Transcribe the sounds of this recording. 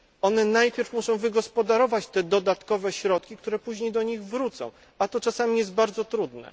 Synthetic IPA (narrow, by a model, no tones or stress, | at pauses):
ɔnɛnajpʲjɛɾfmuʂɔ̃w̃vɘɡɔspɔd̪aɾɔvat͡ɕt̪ɛd̪ɔd̪at̪kɔvɛɕɾɔt̪kʲik̚t̪uɾɛpuʑɲejd̪ɔɲiɣvɾut̪sɔ̰̃w̃ | at̪ɔt͡ʂasamʲijɛsd̪̚baɾd̪zɔt̪ɾud̪nɛ̰